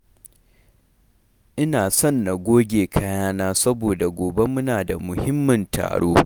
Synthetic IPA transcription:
ʔɪ˦naː˨sɔ˦˨nːa˨ɡʷoː˦ɡʲeː˨kʰɐ˦jaː˦naː˦sɐ˦boː˨da˨ɡʷoː˨be˦mʊ˦naː˨da˨mʊ˨hɪ˦mːɐ˨ntʰa̰ː˨ɽo̰ː˦

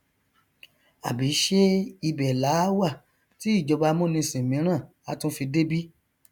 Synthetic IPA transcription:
a̰˨bi˨˦ʃe˦i˧bɛ˨la˨˦wa˦˨ | ti˨˦i˦˨d͡ʒɔ˧ba˧mõ˦nĩ˧sĩ˨mĩ˨˦ɾ̃ã˦˨ | a˨˧˦tũ˦fi˧de˦bi˦

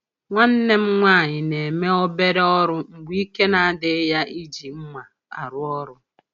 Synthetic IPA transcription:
ŋʷa˦n̩˦ne˦m̩˦ŋʷa˦a˨ɲɪ˨ne˨me˦o˦be˦ɾe˦ɔ˦ɾʊ˦ŋ͡m̩˨ɡ͡bi˦ke˦na˨˦dɪ˨˦ja˦i˦d͡ʒi˨m̩˦ma˨ | a̰˨ɾʊ˦ɔ˦ɾʊ˦

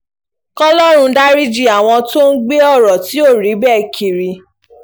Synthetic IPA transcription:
kɔ˦lɔ˦˨ɾ̃ũ˧da˦ɾi˦d͡ʒi˦˨a˨w̃ɔ̃˧to˦n̩˦ɡ͡be˦ɔ˦˨ɾɔ˨ti˨˦o˦˨ɾi˨˦bɛ˦˨kʰi˨ɾi˨˧

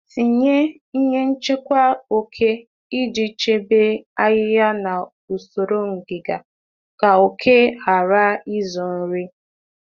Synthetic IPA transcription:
si˨ɲe˦ | i˦ɲe˦n̩˦t͡ʃe˦kʷa˦o˨kʰe˦ | i˦d͡ʒi˨t͡ʃe˦be˦a˦ɣɪ˦ja˦na˨ | u˨so˨ɾo˦ŋ̩˨ɡɪ˨ɡa˨ | ka˨o˨kʰe˦ha˨ɾa˦i˦zɔ˨n̩˨ɾi˦

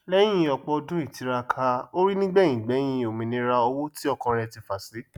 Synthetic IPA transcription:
lɛ˦j̃ĩ˦ɔ˧k͡pɔ˧dũ˦i˦˨ti˨˦ɾa˧kʰa˧o˦ɾi˦nĩ˦ɡ͡bɛ˦˨j̃ĩ˨ɡ͡bɛ˨˦j̃ĩ˧o˨mĩ˨nĩ˧˦ɾa˧ɔ˧wo˦ti˦ɔ˦˧kã˧ɾ̃ɛ̃˧ti˧fa˨si˨˦

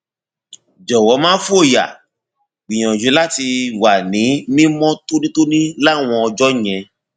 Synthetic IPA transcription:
d͡ʒɔ˨wɔ˨˦mãː˦fu˦o˦˨ja̰˨ | ɡ͡bĩ˨ɔ̃˨d͡ʒu˨˦la˦ti˧wa˨nĩ˨˦mĩ˦mɔ̃˦to˦nĩ˦to˦nĩ˦la˦˨w̃ɔ̃˧ɔ˧d͡ʒɔ˦˨jɛ̃˧

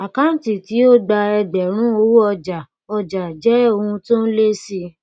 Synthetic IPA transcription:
a˨kã˦˨˦ti˨ti˨˦o˦ɡ͡ba˧ɛ˧ɡ͡bɛ˨ɾ̃ũ˦o˧˦wu˦ɔ˧d͡ʒa˨ | ɔ˧d͡ʒa˨d͡ʒɛ˨˦o˧hũ˧to˦n̩˦le˦si˧

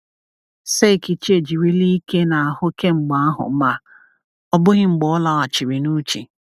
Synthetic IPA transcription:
se˦˨ki˨t͡ʃi˦e˨d͡ʒi˨ɾi˦li˦ke˦na˨a˨hʊ˦ke˦ŋ͡m̩˨ɡ͡ba˨a˦ɦʊ̰˨˦ma˦ | ɔ˦bʊ˦ɣɪ˦ŋ͡m̩˨ɡ͡bɔ˨ɔ˦la˦wa˨t͡ʃi˨ɾi˨nu˦t͡ʃi˨

